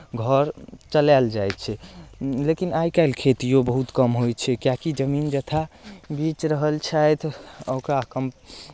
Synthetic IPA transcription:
ɡʱəɾt͡ʃəlald͡ʒajt̪t͡ʃʰɛlekinajkaɪlkʰet̪ijobəɦut̪kəmɦojt͡ʃʰɛkjakid͡ʒəmind͡ʒət̪ʰabit͡ʃɾəɦəlt͡ʃʰajt̪ʰəwkakəm

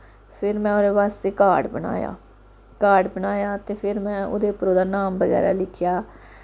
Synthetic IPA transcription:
pʰɪɾmɛ̃ːoːɾeːʋaːst̪eːkaːɖbəna̰ːja̰ː | kaːɖbənaːjaːt̪eːpʰɪɾmɛ̃ːo̰ːd̪eːʊpɾoːd̪aːnaːmbəɣɛ̰ːɾa̰ːlɪkʰjaː

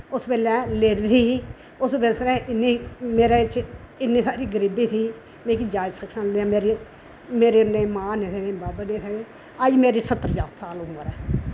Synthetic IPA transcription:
ʊspɛːlɛ̃ːleːɽd̪ʰiː | ʊsbesɾɛ̃ːʔɪniːmeːɾeːɪt͡ʃ | ɪnːĩːsaːɾiːɡəɾiːbiːt̪ʰiː | mẽːkid͡ʒaːd͡ʒsəkʰnãːd̪eãːmeːɾi | meːɾeːnẽːmãːneːt̪ʰeːnẽːbaːbneːt̪ʰeːeː | əd͡ʒmeːɾiːsət̪ːəɾd͡ʒaːsaːlʊməɾɛː

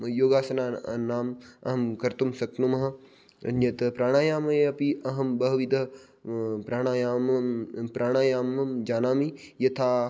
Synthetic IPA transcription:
joːɡaːsɐnaːnaːmɐ̰ɦɐmkɐɾt̪umsɐk̪̚numɐɦɐ̆ | ɐ̰njɐt̪ɐpɾaːɽ̃aːjaːmɐeɐpiʔɐɦɐmbɐɦɐʋid̪ɐ | pɾaːɽ̃aːjaːmpɾaːɽ̃aːjaːmɐmd͡ʒaːnaːmijɐt̪ʰaː

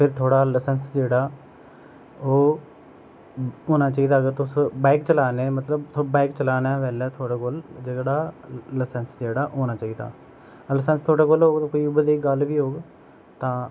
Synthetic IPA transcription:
pʰɪɾt̪ʰoːɽaːləsənsd͡ʒeːɽaː | oː | ɦoːnaːt͡ʃaːiːd̪aːəɡəɾt̪ʊsbɛːkt͡ʃəlaːneːmət̪ləbt̪ʰobaːɪkt͡ʃəlaːnɛːʋɛːlɛːt̪ʰoːɽaːkoːld͡ʒeːɽaːləsənsd͡ʒeːɽaːʔɦoːnaːt͡ʃaːiːd̪a̰ː | ləsənst̪ʰoːɽaːkoːlɦoːɡt̪ãːkoːiːʊbəd̪eːiɡəlʋiːɦoːɡ | t̪ãː

